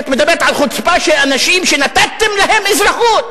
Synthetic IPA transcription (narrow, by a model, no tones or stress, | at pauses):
t̪med̪abeʁet̪ʕalχot͡spaʃelanaʃimʃenat̪at̪ːemlaɦemɪzʁaχuːt̪